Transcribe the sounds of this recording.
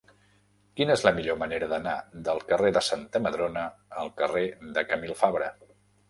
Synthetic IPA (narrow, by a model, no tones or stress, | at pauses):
kinəezləmiʎoməneɾəðənad̪əlˠkəreðəsant̪əməðɾonəːlˠkəreðəkəmilˠfaβɾə